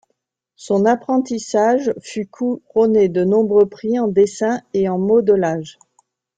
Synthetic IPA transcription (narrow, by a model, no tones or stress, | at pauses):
sɔ̃napχɑ̃t̪isaʒfykʰuʁɔned̪ənɔ̃bʁøpχiɑ̃d̪esɛ̃eɑ̃mɔd̪əlaʒ